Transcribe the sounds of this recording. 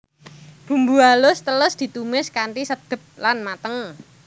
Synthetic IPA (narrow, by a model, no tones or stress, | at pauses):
d̥ṳmbualʊst̪əlʊsd̪̥i̤t̪umɪskaɳʈisəd̪̥ə̤p̚lanmat̪əŋ